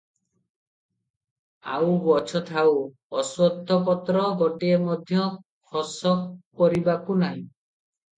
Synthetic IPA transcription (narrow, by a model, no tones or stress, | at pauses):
a̰wbɔt͡ʃʰɔt̪ʰaw | ɔswɔd̪ʱːɔpɔt̪ɾɔɡɔʈiemɔd̪ʱjɔkʰɔsɔk̚pɔɾibakunaɦĩ